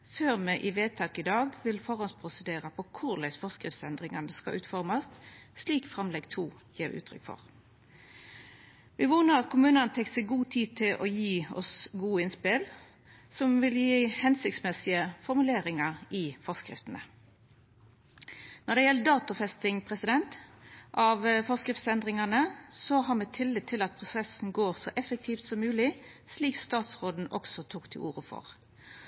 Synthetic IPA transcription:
føːʁmɛʔɪʋeːt̪ʰɑːkɪd̪ɑːɡʋɪlfɔʁɔnspʰʁʊsəd̪eːʁəpʰɔkʰʊʁlæɪsfɔskɾɪft̪sɛnd̪ʁɪŋɑnəskɑ̰ʔʉːt̪fɔɾmɑst̪sliːkfʁɑmlɛɡt̪ʰuːjiːʁʉ̰ːt̪ʰʁʏ̰kfɔ̰ʁ | ʋɪʋuːnəʁɑt̪kʰʊmʉːnəɑnət̪ʰɛk̪sɛɡuːt̪ʰiːt̪ʰɪlʔɔjiːɔ̰sɡuːəɪnspɪl | sɔmʋɪljiːhɛnsʏkt̪smɛsɪəfɔʁmʉleːɾɪŋɑʁɪfɔʁskʁɪ̰ft̪ənə̰ | nɔɾd̪ɛjɛləd̪ɑːt̪ʊfɛst̪ɪŋpʰʁɛsɪd̪ɛnt̪ʔɑʋfɔskɾɪft̪sɛnd̪ʁɪŋɑnəsɔɦɑʁmɛːt̪ʰɪlːɪt̪ʰːɪlɑt̪̚pʰʁʊsɛsn̩ɡoːʁsɔʔɛfək̚t̪ʰiːft̪sɔmːʉːlɪsliːkst̪ɑːt̪sʁoːd̪n̩ʔɔ̰ksɔt̪ʰuːkt̪ʰɪlṵːʁəfɔ̰ʁ

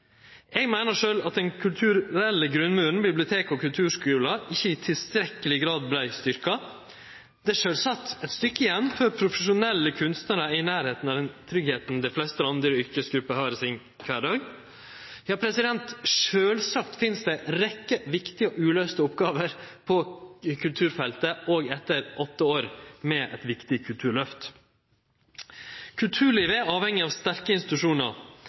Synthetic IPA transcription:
ɛɡmæɪnəʂøːlɑt̪̚d̪ɛnkʰʉlt̪ʰʉɾɾɛlːəɡɾʉnːmʉːɾn̩bɪblɪʊt̪ʰeːkɔkʰʉlt̪ʰʉːʂkʉːlɑɪçːəɪt̪ʰɪlst̪ɾɛkəlɪɡɾɑːd̪̚blæɪst̪ʏɾkɑ | d̪̥ɛæʂøːlsɑt̪ːɛt̪st̪ʏkːəɪjɛnːfɔɾpʰɾʊfəʂʊnɛlːəkʰʉnst̪nəɾəɪnæːɾheːt̪n̩ɑd̪ɛnt̪ʰɾʏɡheːt̪n̩d̪æɪflɛst̪əlɑnd̪əɾəʏɾkəsɡɾʉpːəhɑːɾɪsɪn | kʰʋæːɖɑːɡ | jɑːpʰɾɛsɪd̪ɛnt̪ʂøːlsɑkt̪fɪnsd̪ɛɾɛkːəʋɪkt̪ɪɔʔʉːløːst̪əʊpɡɑːʋəɾpʰɔkʰʉlt̪ʰʉːɾfɛlt̪əʔoːɡɛt̪ːəɾʔɔt̪ːəoːɾmɛʔɛ̰t̪ʋɪkt̪ɪkʰʉlt̪ʰʉːɭœft̪ | kʰʉlt̪ʰʉːɭiːʋəɑːʋhɛŋːɪɑːʋst̪æɾkəɪnst̪ɪt̪ʉʂuːnəɾ

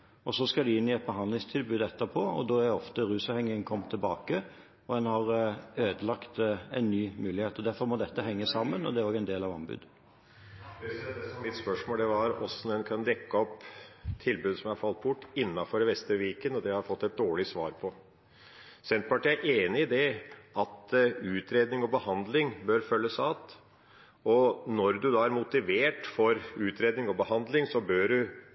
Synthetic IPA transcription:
ɔsɔskɑd̪ɪɪnːɪɛt̪̚bəɦɑnd̪lɪŋst̪ʰɪlbʉːd̪ɛt̪ːəpʰoɔ̰d̪oːæɾɛɔft̪əɾʉːsɑʋhɛŋːəəŋkʰɔmːt̪ʰɪlbɑːkə | ɔd̪ɛnhɑɾøːd̪əlɑkt̪ɛnːyːmʉːlɪheːt̪ɔd̪æɾfɔɾmɔd̪ɛt̪ːəɦɛŋːəsɑmːənɔ̰d̪ɛæɾɔːɡɛɪnd̪eːlɑʋɑmbʉ̰ːd̪ | mɪt̪spœʂmoːld̪ɛʋɑɾɔ̰sɔnɛnkʰɑnd̪ɛkːəɔpːt̪ʰːɪlbʉːd̪sɔmjæhɑɾfɑlt̪̚bʊʈːɪnːɑfɔɾʋɛst̪ɾəʋiːkənɔd̪ɛhɑɾfɔt̪ːɛt̪̚d̪oːɭɪsʋɑ̰ːɾpʰɔ | sɛnt̪pɑʈiːæʔeːnɪɪd̪ɛʔɑt̪ʉːt̪ɾeːd̪nɪŋɔbəhɑnd̪lɪŋbøːɾfœlːəsɑːt̪ | ɔnɔɾd̪ʉd̪ɑːæɾmʊt̪ɪʋeːʈfɔɾʉːt̪ɾeːd̪nɪŋɔbəhɑnd̪lɪŋsɔbøːɖʉ

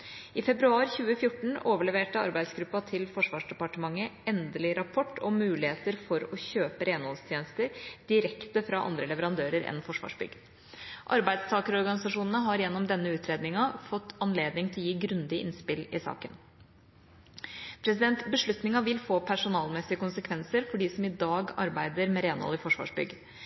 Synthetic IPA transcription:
ɪfɛbɾʉɑːɾçʉːəfjʊʈːɳ̩oːʋəɭɛʋeːʈəɑ̰ɾbæɪd̪sɡɾʉpːɑt̪ʰɪlfɔʂʋɑːʂɖɛpɑʈəmɑŋːəɛnd̪əlɪɾɑpʰɔʈːɔmːʉːlɪheːt̪əɾfɔɾɔçøːpəɾeːnhɔlst̪ʰjeːnəst̪əɾd̪̥ɪɾɛkt̪əfɾɑʔɑ̰nd̪ɾəlɛʋəɾɑnd̪øːɾəɾɛ̰nfɔʂʋɑ̰ːʂbʏ̰ɡ | ʔɑɾbæɪd̪st̪ʰɑːkəɾɔɾɡɑnɪsɑʂuːnənəɦɑɾjɛnːɔmd̪ɛnːəʉːt̪ʰɾeːd̪nɪŋɑfɔt̪ːɑnleːd̪nɪŋt̪ʰɪljiːɡɾʉnd̪ɪʔɪ̰nspɪlɪsɑ̰ːkən | pʰɾɛs̬ɪd̪ɛnt̪bəʂɭʉt̪nɪŋɑʋɪlfoːpʰæʂʊnɑːlmɛsɪəkʊnsəkʰʋɛnsəɾfɔɖiːsɔmɪd̪ɑːɡɑ̰ɾbæɪd̪əɾmɛɾeːnhɔ̰lɪfɔʂʋɑ̰ːʂbʏ̰ɡə

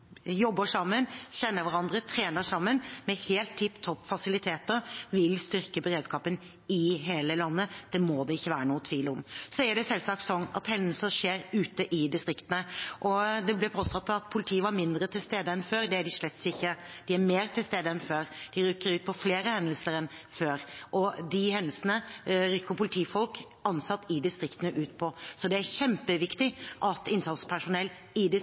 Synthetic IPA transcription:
jɔbːəʂɑmːənɕɛnːəɾʋæɾɑnd̪ɾət̪ʰɾeːnəʂɑmːənmɛheːlt̪ʰːʏpːt̪ʰɔpːfɑsɪlɪt̪ʰeːt̪əɾʋɪlst̪ʏɾkəbəɾeːd̪skɑːpən | ɪɦeːləlɑnːəd̪̥ɛmod̪ɛɪçːəʋæːɾənuːət̪ʰʋiːlʊmsɔæɖɛsɛlːsɑkt̪sɔnɑ̰t̪hɛnd̪l̩səʂeːɾʉːt̪əʔɪd̪ɪst̪ɾɪkt̪ənəʔɔd̪ɛblɛpʰoːst̪ɑt̪ːɑʋɑt̪̚pʰʊlɪt̪ʰiːəʋɑɾmɪnd̪ɾət̪ʰɪlst̪eːd̪əɛnføːɾd̪ɛæɖɪʂɭɛt̪sɪçːə | d̪̥ɪæɾmeːɾt̪ʰɪlst̪eːd̪əɛnføːɾd̪̥ɪɾʏkːəɾʉːt̪̚pʰɔfleːɾəhɛnəlsəɾɛnføːɾʔɔd̪ɪɦɛnəlsənəɾʏkːəpʰʊlɪt̪ʰiːfɔlk | ɑnsɑt̪ːɪd̪ɪst̪ɾɪkt̪ənəʔʉːt̪pʰɔsɔd̪ɛæɾçɛmpəʋɪkt̪ɪʔɑt̪ɪnsɑt̪spʰæʂʊnɛlː | ɪd̪ɪ

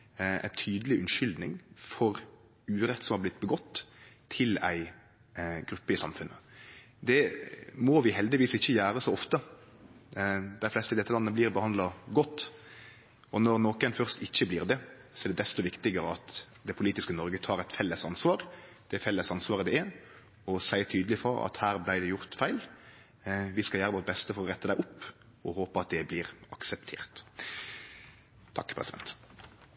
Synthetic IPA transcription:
æ̰ɪt̪ʰyːd̪əlɪʉnʃʏld̪nɪ̰ŋfɔɾ | ʉːɾɛt̪ːsɔmhɑʁblɪt̪̚ːbəɡɔt̪ːʰ | ɪlæ̰ɪ | ɡɾʉpːəɪsɑmfʉnːʔə | d̪ɛmɔʋɪɦɛld̪ɪʋiːsɪçːəjæːɾəsoɔft̪ə | d̪æɪflɛst̪əɪd̪ɛt̪ːəlɑnːəbliːʁbəhɑnd̪lɑɡɔt̪ː | ɔnɔɾnoːkənfœʁst̪ɪçːəblɪːʁd̪ɛ | sɔɛɾd̪ɛd̪ɛst̪ɔʋɪkt̪ɪɡəɾəɑt̪ | d̪ɛpʰʊliːt̪ɪskənɔɾɡət̪ʰɑːɾɛɪt̪fɛlːəsɑnsʋɑːɾ | d̪̥ɛfɛlːəsɑnsʋɑːʁəd̪ɛɛɾ | ɔsæɪət̪ʰyːd̪əlɪfɔɾɑ̰t̪hæːɾblæɪd̪ɛjʊʁt̪fæɪl | ʋɪskɑljæːɾəʋoːt̪̚bɛst̪əfɔɾɔʁɛt̪ːəd̪æɪʊpː | ɔhoːpəɑt̪̚d̪ɛblɪːʁɑksəp̚t̪ʰḛːʁt̪ | t̪ʰɑkːpʰɾʁɛ̰sɪd̪ɛ̰nt̪

